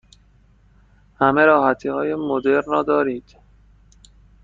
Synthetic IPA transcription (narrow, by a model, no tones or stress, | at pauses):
hæme̞ɾɒːɦæt̪ʰiːhɒːje̞mod̪eɾnrɒːd̪ɒːɾiːd̪̥